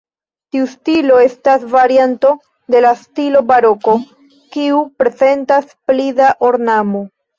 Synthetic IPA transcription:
tiustilo̞e̞stasvaɾianto̞ | de̞lastilo̞baɾo̞ko̞ | kiupɾe̞ze̞ntasplidaʔoɾnamo̞

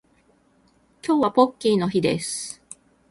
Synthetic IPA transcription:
kʲo̞ːβapo̞kʲːiːno̞çid̪ḛsɨ̥

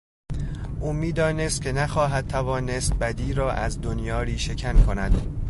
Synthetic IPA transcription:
ʔuːmiːd̪ɒːne̞st̪̚kʲcʰe̞næxɒːɦæd̪̚t̪ʰævɒːnest̪̚bæd̪iːɾɒːʔæ̰zd̪onjɒːɾiːʃe̞cʰænkʰo̞næd̪̥

